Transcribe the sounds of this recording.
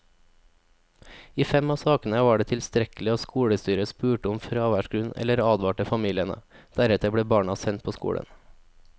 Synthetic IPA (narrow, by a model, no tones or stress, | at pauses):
iːfɛmɑːsɑːkn̩əʋɑːɖeːt̪ʰɪlst̪ɾɛklɪoːskuːɽəst̪yːɾəspʉːʈəʊmfɾɑːʋæʃɡɾʉnɛ̰ləɾɑːd̪ʋɑːʈəfɑmiːlɪənə̰d̪̥æɾɛt̪əbɽeːbɑːɳɑsɛnt̪̚pʰoːskṵːɽə̰n